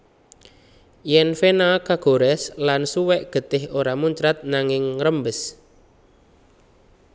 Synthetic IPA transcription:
jɛnfenakaɡ̥o̤ɾɛslansuwɛʔɡ̥ə̤t̪ɪhoɾamuɲt͡ʃɾat̪̚naŋɪŋɾəmbəs

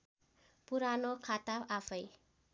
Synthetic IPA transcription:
puɾanokʰat̪aafəj

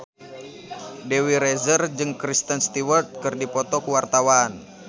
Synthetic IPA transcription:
dɛwiɾɛzərd͡ʒɨŋkɾist̪ənst̪iwərt̪̚kɨrdipɔt̪ɔkuwart̪awan

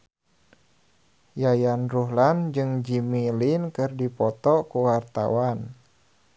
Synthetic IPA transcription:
jajanruɦland͡ʒɨŋd͡ʒimilinkɨrdipɔt̪ɔkuwart̪a̰wan

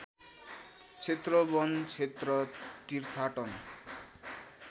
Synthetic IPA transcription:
t͡ɕʰet̪ːɾɔbɔnt͡ɕʰet̪ɾɔt̪iɾt̪ʰaʈɔn

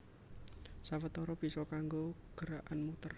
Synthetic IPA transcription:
sawət̪ɔɾɔb̥i̤sɔkaŋɡoɡ̥ə̤ɾaʔanmut̪ər

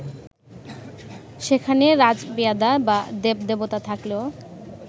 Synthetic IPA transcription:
ʃekʰaneɾad͡ʑbiad̪abad̪ep̚d̪ebot̪at̪ʰakleo

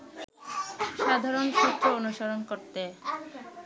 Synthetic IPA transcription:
ʃad̪ʱaɾonʃut̪ːɾoonuʃaɾonkoɾt̪e

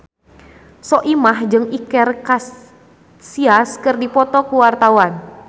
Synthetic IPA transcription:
sɔʔimahd͡ʒɨŋikɛrkas | siaskərdipɔt̪ɔkuwart̪awan

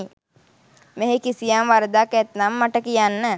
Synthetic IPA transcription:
meɦekisijamʋaɾəd̪akɛt̪namːaʈəkijanːə

